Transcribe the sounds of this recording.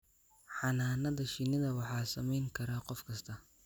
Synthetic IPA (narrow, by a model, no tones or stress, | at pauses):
ħɑnaːnɐðɐʃɪnɪðɐwɑħɑːsɐmɛjŋkʰɐɾaːqɔfkʰɐst̪ʰɐ